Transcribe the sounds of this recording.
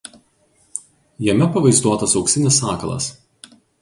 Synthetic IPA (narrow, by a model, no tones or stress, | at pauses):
jɛmʲɛpɐʋɐɪzd̪uɔt̪ɐsɒʊksʲɪnʲɪsɑːkɐlˠɐ̰s